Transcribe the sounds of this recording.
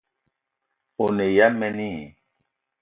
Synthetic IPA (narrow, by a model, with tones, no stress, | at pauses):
o˨ne˨ja˦mɛ˦ni˦˨